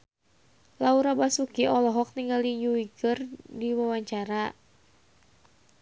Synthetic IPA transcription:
lauɾabasukiɔlɔɦɔk̚niŋɡalijuwikɨrdiwawaɲt͡ʃaɾa

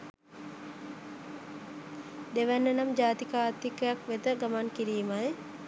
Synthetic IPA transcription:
d̪eʋænːənamd͡ʒaːt̪ikaːt̪ikəjakʋed̪əɡamankiɾiːmaj

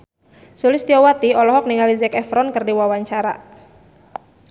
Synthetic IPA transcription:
sulɪst̪iɔwat̪iɔlɔɦɔk̚niŋalizɛkɛfɾɔnkɨrdiwawaɲt͡ʃaɾa̰

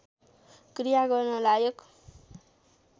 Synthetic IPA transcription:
krijaɡʌrnʌlajʌk

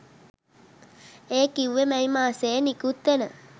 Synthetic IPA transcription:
eːkiuwʋemɛimaːseːnikut̪ːenə

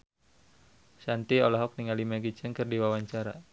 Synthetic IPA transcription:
sant̪iɔlaɦɔk̚niŋalimaɡid͡ʒ̥əŋkɨrdiwawaɲt͡ʃaɾa

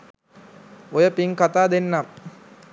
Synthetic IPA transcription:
ojəpiŋkat̪aːd̪enːam

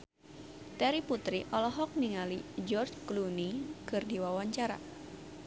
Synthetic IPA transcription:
t̪ɛɾiput̪ɾiʔɔlɔɦɔk̚niŋalid͡ʒɔrd͡ʒklunikɨrdiwawaɲt͡ʃaɾa̰

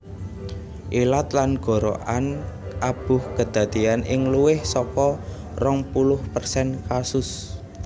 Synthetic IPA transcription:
ʔilat̪lanɡ̥ɔ̤ɾo̰ʔanʔab̥ʊhkəd̪̥ä̤d̪̥ianʔɪŋluwɪhsɔkɔ | rɔŋpulʊhpərsɛnkasʊs

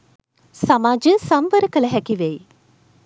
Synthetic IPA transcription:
samaːd͡ʒəsamʋəɾəkələɦɛkiʋej

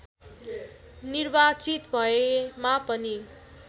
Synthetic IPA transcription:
niɾbat͡sit̪bʱʌemapʌni

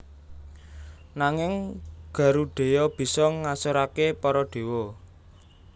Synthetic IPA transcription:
naŋɪŋɡ̥ä̤ɾuɖ̥e̤jɔb̥i̤sɔŋasoɾakepɔɾɔɖ̪̥e̤wɔ

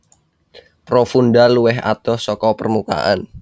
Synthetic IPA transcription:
pɾofundaluwɛɦa̰t̪ɔsɔkɔpərmuka̰ʔan

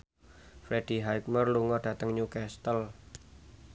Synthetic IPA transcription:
fɾed̥i̤ɦajk̚mərluŋɔɖ̥ä̤t̪əŋɲukɛst̪əl

